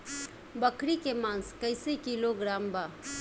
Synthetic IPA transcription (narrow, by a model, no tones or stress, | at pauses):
bəkɾikemãːnskəɪsikiloɡɾaːmba